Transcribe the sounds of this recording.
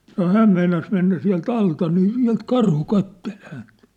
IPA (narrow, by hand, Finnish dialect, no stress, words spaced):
sɑno hæːm meinɑs menːæ siæ̝lt ɑltɑ niː siæ̝lt kɑrhu kɑtːel hænt